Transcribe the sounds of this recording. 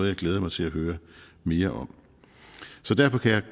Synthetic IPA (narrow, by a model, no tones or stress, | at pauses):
ð̩ˠjɑ̈ɪɡleːð̞ˠmɑ̈ɪt͡sʰe̝læɦøːɐme̝ːɐʔɒ̽m̰ | sɒ̽d̥æɐfɒ̽kʰæjɑ̈ɪ